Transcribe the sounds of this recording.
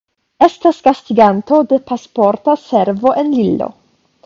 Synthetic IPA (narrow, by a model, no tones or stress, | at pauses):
e̞stasɡastiɡanto̞de̞paspo̞ɾtase̞ɾvo̞ʔenlilo̰